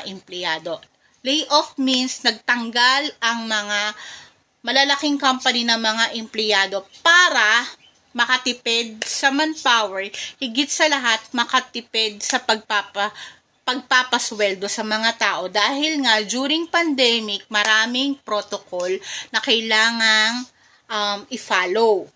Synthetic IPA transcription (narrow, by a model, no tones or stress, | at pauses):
ʔɛmplɪjaːd̪o̞ | lɛjʔofminsnɐɡ̚t̪ɐŋɡalʔɐŋmɐŋa | mɐlɐlɐkɪŋkampɐninɐŋmɐŋaʔɛmplɪjaːd̪o̞paːɾɐ | mɐkɐt̪ɪpɛd̪̚sɐmɐnpawɛɹhɪɡɪt̪̚sɐlɐɦat̪̚mɐkɐt̪ɪpɛd̪̚sɐpɐɡ̚papɐ | pɐɡ̚papɐswɛld̪o̞sɐmɐŋat̪aːʔo̞d̪aːhɪlŋad͡ʒuːɾɪŋpɐnd̪ɛmɪk̚mɐɾaːmɪŋpɾot̪okolnɐkɐjlaːŋɐŋ | ʔɐmʔɪfaːlow